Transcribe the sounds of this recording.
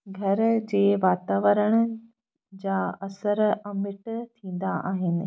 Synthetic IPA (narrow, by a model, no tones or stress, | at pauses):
ɡʱɐɾd͡ʑeːʋaːt̪aːʋəɾəɽ̃ə | d͡ʑaɐsəɾɐmɪʈt̪ʰĩːn̆d̪aʔa̰ːɦɪnɪ̆